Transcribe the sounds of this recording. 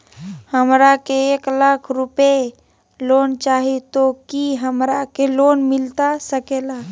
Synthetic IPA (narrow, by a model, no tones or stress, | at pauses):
həmɾakeeklakʰɾupe | lont͡ʃaɦit̪okiɦəmɾakelonmɪlt̪asəkela